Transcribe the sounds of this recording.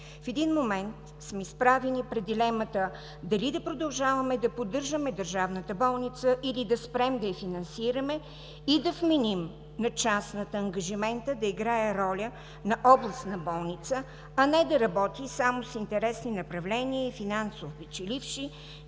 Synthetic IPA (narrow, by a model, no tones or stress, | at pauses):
fɛd̪inmomɛnt̪ | smɛispɾavɛnipɾɛd̪d̪ilɛmɐt̪ə | d̪ɐlid̪ɐpɾod̪ɐlˠʒavɐmɛd̪ɐpod̪ɤɾʒəmɛd̪əɾʒavnət̪əbɔlˠnit̪səʔilid̪ɐspɾɛmd̪ɐjɐfinɐnsiɾɐmɛ | id̪ɐfmɛnim | nɐt͡ʃasnət̪əːŋɡɐʒimɛnt̪əd̪ɐiɡɾaɛɾɔlʲə | nɐʔɔblˠəst̪nɐbɔlˠnit̪sə | ɐnɛd̪ɐɾɐbɔt̪isamosint̪ɛɾɛsninɐpɾɐvlɛniəifinansovpɛt͡ʃɛlifʃi